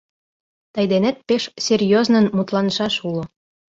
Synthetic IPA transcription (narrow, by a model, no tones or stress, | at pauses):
t̪ɑjd̪enæt̪̚peʃsʲerʲjoznɤ̆nmut̪lˠɑnʃɑʃulŏ